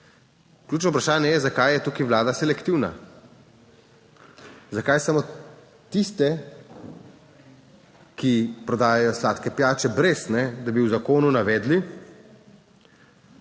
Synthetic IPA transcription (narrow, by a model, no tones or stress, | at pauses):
klʲjuːt͡ʃnɔupɾaʃaːnjɛjɛzakajjɛt̪uːkiʋlaːd̪asɛlɛkt̪iwna̰ | zakajsamo | t̪ist̪ɛ | kipɾɔd̪aːjajɔslaːt̪kɛpjaːt͡ʃɛbɾesnɛd̪abiwzakoːnunaʋɛːd̪li